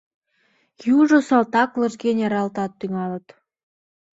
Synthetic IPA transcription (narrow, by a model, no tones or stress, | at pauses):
juʒosɑlt̪ɑklɤ̆ʒɡenʲɑɾɑlt̪ɑt̪ːyŋɑlə̆t̪